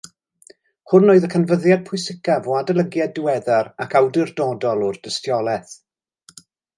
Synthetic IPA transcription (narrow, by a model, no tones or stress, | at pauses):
hʊnːoːɨðəkʰənvəðjad̚pʰʊɨsɪkavɔadəlˠəɡjadɪwɛðaɾakawdɪrdɔdɔlˠɔrd̥əstjɔlˠɛθ